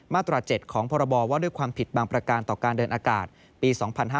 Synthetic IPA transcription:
maː˥˩t̪ɾaː˧t͡ɕe˨˩t̪̚kʰɔː˩˦ŋpʰɔː˧ɾa˧bɔː˧waː˥˩du˥˩˨jkʰwaː˧mpʰi˨˩t̪̚baː˧ŋpɾa˧kaː˧nt̪ɔː˨˩kaː˧ndɤː˧nʔaː˧ka̰ː˨˩t̪̚ | piː˧sɔː˩˦ŋpʰa˧nɦaː˥

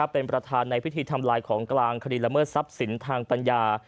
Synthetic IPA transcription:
pːe˧npɾa˧t̪ʰaː˧nːa˧jpʰi˦˥t̪ʰiː˧t̪ʰa˧mlaː˧jkʰɔː˩˦ŋklaː˧ŋkʰa˧diː˧la˧mɤː˥˩t̪̚sa˦˥p̚si˩˦nt̪ʰaː˧ŋpa˧njaː˧

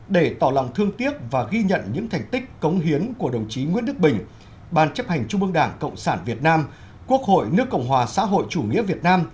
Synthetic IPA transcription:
ɗe˧˩t̪ɔ˧˩lɔ̰˧˨wŋ͡mt̪ʰɨ˧əŋt̪i˦˥əp̚vaː˨˩ɣi˧ɲə̰˧˨nɲɨ̰˧˥ŋt̪ʰɛ˨˩jŋ̟t̪ï˦˥k̚kə˨˦wŋ͡mɦi˨˦ənku˧˩əɗə˨˩wŋ͡mt͡ɕi˨˦ŋwḭ˧˥ənɗɨ˦˥k̚ɓï˨˩ŋ̟ | ɓaː˧˩nt͡ɕə˦˥p̚ha˨˩jŋ̟t͡ɕu˧ŋ͡mʔɨ˧əŋɗaː˧˩ŋkə̰˧˨wŋ͡msaː˧˩nvi˨˩ət̚naː˧m | ku˦˥ək̚ho̰˧˨jnɨ˦˥əkːə̰˧˨wŋ͡mɦwaː˨˩sa̰ː˧˥ɦo̰˧˨jt͡ɕu˧˩ŋḭ˧˥əvi˨˩ət̚naː˧m

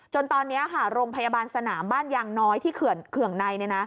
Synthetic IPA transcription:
t͡ɕo˧nt̪ɔː˧nːi˦˥ɐɦaː˩˦ɾoː˧ŋpʰa˧ja˧baː˧nsa˧naː˩˦mbaː˥˩njaː˧ŋnɔː˦˥jt̪ʰiː˥˩kʰɯ˩kʰɯ˨˩əŋna˧jni˥˩na˦˥

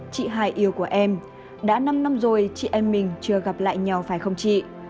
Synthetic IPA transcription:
t͡ɕḭ˧˨ɦaː˧˩jʔi˧əwku˧˩əʔɛ˧m | ɗa̰ː˧˥na˧mna˧mzo˨˩jt͡ɕḭ˧˨ʔə˧nmï˨˩ŋ̟t͡ɕɨ˧əɣa˨˩p̚la̰ː˧˨jɲa˨˩wfaː˧˩jxə˧wŋ͡mt͡ɕḭ˧˨

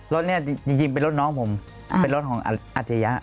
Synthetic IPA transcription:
lo˦˥t̪̚ni˥ɐ˨˧t͡ɕi˧ŋt͡ɕi˧ŋpe˧nɾlo˦˥t̪̚nɔː˦˥˩ŋpʰo˩˦m | pe˧nɾo˦˥˩kɔː˩˦ŋʔa̰˧ʔa˧˩t͡ɕʰa˧ja˦˥ʔ

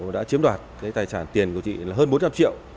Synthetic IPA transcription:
ɗa̰ː˧˥t͡ɕi˨˦əmɗwaː˨˩t̚kaː˨˦jt̪aː˧˩jsaː˧˩nt̪i˨˩ənku˧˩ət͡ɕḭ˧˨laː˨˩ɦəː˧nɓo˨˦˥nt͡ɕa˧mt͡ɕḭ˧˨əw

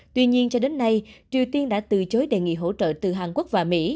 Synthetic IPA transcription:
t̪wi˧ɲi˧ənt͡ɕɔ˧ɗe˨˦nːa˧jt͡ɕi˨˩əwt̪i˧ənɗa̰ː˧˥t̪ɨ˨t͡ɕo˨˦jɗe˨˩ŋḭ˧˨ɦo̰˧˥t͡ɕə̰ː˧˨t̪ɨ˨˩ɦaː˨˩nku˦˥k̚vaː˨˩mḭ˧˥

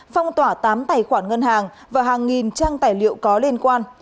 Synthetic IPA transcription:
fa˧wŋ͡mt̪waː˧˩t̪aː˨˦mt̪aː˨˩jxwaː˧˩nŋə˧nhaː˨˩ŋ | vaː˨˩ɦaː˨˩ŋːi˨˩nt͡ɕaː˧ŋt̪aː˨˩jlḭ˧˨əwkɔ˨˦li˧nkwaː˧n

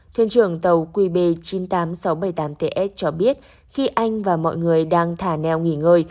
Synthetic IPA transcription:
t̪ʰwḭ˧˨nt͡ɕɨ˧˩əŋt̪ə˨˩wkwi˧ɓe˧˩t͡ɕi˨˦nt̪aː˨˦msa˨˦wɓə˧˩jt̪aː˨˦mt̪e˧˩ʔɛ˦˥t̚t͡ɕɔ˧ɓi˦˥ət̚ | xi˧ʔa˧jŋ̟vaː˨˩mɔ̰˧˨jŋɨ˨˩əjɗaː˧ŋt̪ʰaː˧˩nɛ˧˩wŋi˧˩ŋəː˧j

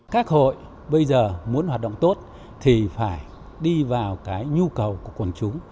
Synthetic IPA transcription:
kaː˦˥k̚ho̰˧˨j | ɓə˧jzəː˨˩mu˨˦ənhwaː˨˩ɗə̰˧˨wŋ͡mt̪o˦˥t̚ | t̪ʰi˨˩faː˧˩j | ɗi˧vaː˨˩wkaː˨˦jɲu˧kə˨˩wku˧˩əkə˨˩nt͡ɕʊ˨˦ŋ͡m

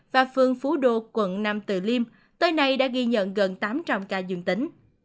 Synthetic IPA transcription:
vaː˨˩fɨ˨˩əŋfu˨˦ɗo˧˨kwə̰˧˨nnaː˧mt̪ɨ̰˧˩li˧m | t̪əː˧jna˨˧jɗa̰ː˧˥ɣi˧ɲə̰˧˨nɣə˨˩nt̪aː˨˦mt͡ɕa˧wŋ͡mkaː˧zɨ̰˧˩ŋt̪ï˨˦ŋ̟

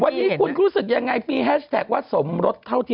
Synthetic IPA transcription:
wa˧nːiː˦˥kʰu˧nɾuː˦˥sɯ˨˩k̚ja˧ŋːa˧jmiː˧ɦɛː˦˥t͡ɕʰt̪ʰɛː˨˩k̚waː˥˩so˩˦mɾo˦˥t̪ʰːa˥˩wt̪ʰi˥˩

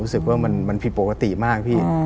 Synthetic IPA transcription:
u˦˥sɯ˨˩k̚waː˥˩ma˧nma˧npʰi˨˧˩po˨˩ka˧t̪i˨˩maː˥˩k̚pʰiː˥˩

